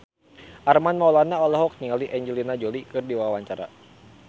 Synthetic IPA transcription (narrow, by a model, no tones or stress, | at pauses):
ʔarmanmaulanaɔlaɦɔk̚nialiʔɛɲd͡ʒɛlinad͡ʒɔlikɨrdiwawaɲt͡ʃaɾa̰